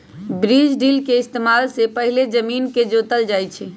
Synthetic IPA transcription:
bɾid͡ʒɖilkeɪst̪emalsepəɦiled͡ʒəminked͡ʒot̪əld͡ʒajt͡ʃʰi

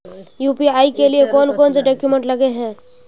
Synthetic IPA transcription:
juːpiaːikeliekɔːnkɔːnseɖɔːkjumẽɳʈlɐɡeɦɛ̃ː

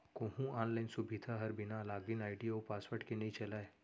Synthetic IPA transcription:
kõɦũaːnlaːɪnsʊbʱɪd̪ʱaɦɐɾbɪnalaːɡɪnaːɪɖiopaːswəɾʈkenɐĩt͡ʃɐlaːe

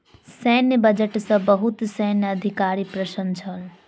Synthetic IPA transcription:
sɛːnjəbəd͡ʒəʈsɐ̃bəɦut̪sɛːnjɐd̪ʱɪkaːɾipɾəʃənt͡ʃʰəl

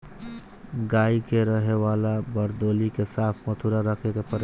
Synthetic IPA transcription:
ɡaːikeɾəɦeʋaːlabəɾd̪oːlikesaːp̪ʰmət̪ʰuɾaɾəkʰekepəɾ

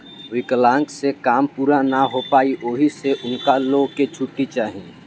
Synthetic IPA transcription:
ʋɪklãːŋksekaːmpuːɾanaɦopaːiʔoːɦiseʔʊnkaloːɡket͡ʃʰʊʈːit͡ʃaːɦiẽ

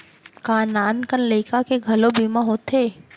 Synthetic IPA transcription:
kaːnaːnkənleɪkakeɡʱɐlobʱiːmãɦoːt̪eː

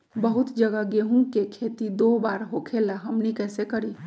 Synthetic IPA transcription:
bəɦʊt̪d͡ʒəɡaɡeɦũkekʰeːt̪id̪obaːɾɦokʰelaɦəmnikɛːsekəɾiː

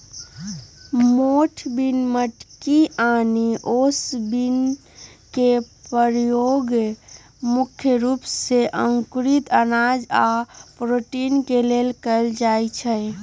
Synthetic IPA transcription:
moʈʰbinməʈkianiʔosbin | kepəɾjoɡ | mukʰjəɾupseʔə̃ŋkɾit̪ənad͡ʒa̰pɾoʈinkelelkəld͡ʒajt͡ʃʰə

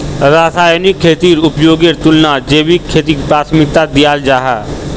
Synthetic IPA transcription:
ɾaːsaːjnikʰːeːt̪iːɾʊpjoːɡeɾt̪ʊlnaːd͡ʒeːbikʰeːt̪iːɾpɾaːt̪ʰmɪk̚t̪ad̪ɪjaːld͡ʒaːɦaː

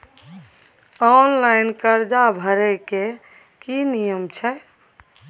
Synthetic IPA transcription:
ɔnlaɪnkəɾd͡ʒabʱəɾɛke | kinijəmt͡ʃʰɛ

